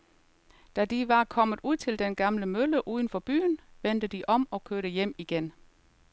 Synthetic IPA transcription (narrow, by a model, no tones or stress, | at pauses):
d̥æd̥iʋɑ̈kʰɒ̽m̰ð̩ˠuð̰ˠt͡sʰe̝ld̥enɡ̥ɑ̈mləmøləʔuːðˠən̩fɒ̽b̥y̰ːnʋen̰d̥əd̥iʔɒ̽mɒ̽kʰøɐɾ̥əjem̰iɡ̥en